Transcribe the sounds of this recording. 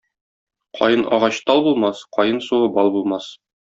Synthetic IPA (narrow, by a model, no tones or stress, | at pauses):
qʰɒ̰jɤnɒ̰ʁɑɕt̪ɒlˠbulˠmɑsqɒjɤnsuʁɤbɒlˠbulˠmɑs